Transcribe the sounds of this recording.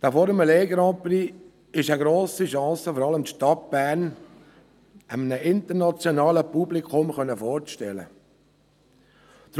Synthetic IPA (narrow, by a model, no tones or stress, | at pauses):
d̥aːfɔːɾəməleːɡɾɑ̃ːpɾi | ɪʃəɡɾoːsiʃɑ̃ːsəfɔɾɑləmt̪ʃtɑt̚b̥æːɾn | ʔəmənəʔɪntəɾnɑt͡sjonɑːləpublikχʊmχœnəfɔːɾt͡sʃtɛlə̰ | d̪̥